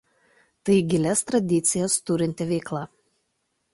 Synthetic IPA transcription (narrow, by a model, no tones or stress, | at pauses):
t̪ɐɪɡʲɪlʲɛst̪ɾɐd̪ʲɪt̪sʲɪjɛst̪ʊɾʲɪnʲt̪ʲɪʋʲɛɪklˠɑ